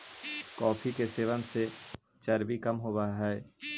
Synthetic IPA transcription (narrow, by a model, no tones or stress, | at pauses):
kɔːpʰikeseːʋənse | t͡ʃəɾbikəmɦoːbaɦɛː